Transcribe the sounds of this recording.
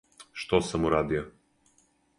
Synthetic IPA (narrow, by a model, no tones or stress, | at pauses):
ʃt̪ɔsəmuɾad̪ija